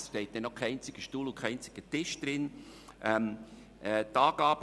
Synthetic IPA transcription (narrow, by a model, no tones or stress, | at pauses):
ʃtɛɪt̚d̥ɛnokʰːɛɪnt͡sɪɡ̥əʃtuːlʊkʰæɪnt͡sɪ̥ɡ̥ətɪʃd̥ɾɪnʔɛm | ɛtɑːɡ̥ɑːb̥ə